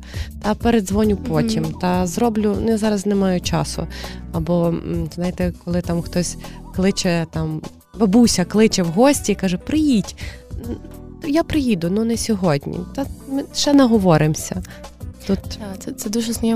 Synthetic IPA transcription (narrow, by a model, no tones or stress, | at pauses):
t̪ɐpeɾed̪zʋɔnʲʊpɔtʲimt̪ɐzɾɔblʲʊnʊjazɑɾɐznɛmɑjʊt͡ʃɑsʊ̰ɐbɔznɑjɪt̪ɛkɔlˠɪt̪amxt̪ɔsʲklˠɪt͡ʃɛt̪ɑm | bɐbuwsʲɐklˠɪt͡ʃɛwɦɔsʲtʲiikɑʒɛpɾɪjitʲ | japɾɪjid̪ʊnunɛsʲɔɦɔdʲnʲḭt̪ɐmɪʃɛnɐɦɔʋɔɾɪmsʲɐ | t̪ut̪t̪ɛt̪sɛd̪uʒɛsnʲijɛ